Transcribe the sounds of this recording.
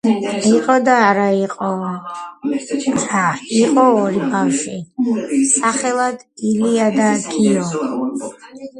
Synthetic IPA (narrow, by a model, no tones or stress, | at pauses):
iqʼɔd̪aːɾaiqʼɔ | ɾaiqʼɔːɾibafʃi | saχɛlˠad̪iliad̪akʰiɔ